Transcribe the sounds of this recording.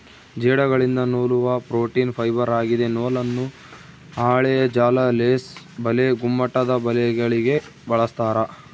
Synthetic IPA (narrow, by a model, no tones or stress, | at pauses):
d͡ʒɛːɽɐɡɐɭind̪ɐnoːluʋɐpɾoːʈiːnpʰɐjbɐɾaːɡid̪e̞noːlɐnːu | aːɭɛjɐd͡ʒaːlɐleːs | bɐleɡumːɐʈːɐd̪ɐbɐlɛɡɐɭiɡe̞ | bɐɭɐst̪aːɾɐ